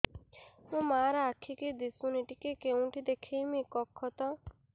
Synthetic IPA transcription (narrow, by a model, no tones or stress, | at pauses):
mũmaːɾaakʰiked̪isũniʈikekeũʈʰid̪ekʰemĩkɔkʰːɔt̪ɔ